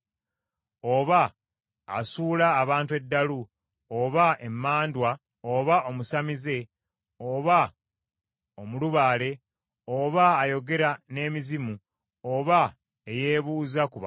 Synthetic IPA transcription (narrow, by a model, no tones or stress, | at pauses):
o̞βa̰ː | suːlaːβaːntue̞dːalu | oβaemːaːndwa | oβaʔo̞musamize̞ | oβa | omuluβaːle̞ | oβaːjo̞ɡe̞ɾane̞ːmizimu | oβa | eje̞ːβuːzakuβa